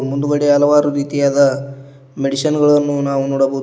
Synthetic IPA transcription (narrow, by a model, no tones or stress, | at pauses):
mund̪uɡɐɽeɦɐlɐʋaːɾuɾiːt̪ijaːd̪ɐ | meɽisɐnɡɐɭɐnːunaːʋunɔːɽɐboː